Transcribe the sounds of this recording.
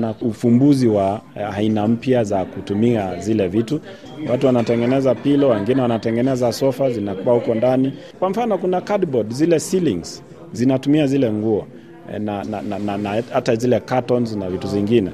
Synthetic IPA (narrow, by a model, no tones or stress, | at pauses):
naufumbuziwaainam̩pjazakutumiazilɛvitu | watuwanatɛŋɡɛnɛzapilɔwɛŋɡinɛwanatɛŋɡɛnɛzasɔfazinakuwahukɔndani | kwam̩fanɔkunakadbɔdzilɛsiliŋz̥ | zinatumiazilɛŋɡuɔ | nananananahatazilɛkatɔnznavituviŋɡinɛ